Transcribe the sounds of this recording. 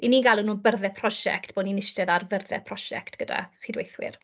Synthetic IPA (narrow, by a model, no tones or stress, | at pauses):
iniːɡalˠənːuːbərðɛpʰrɔʃɛ̰ktb̥oːdninɪʃtɛðarvərðɛ̰pʰrɔʃɛ̰ktɡ̥əda̰χidwejθwɪ̰r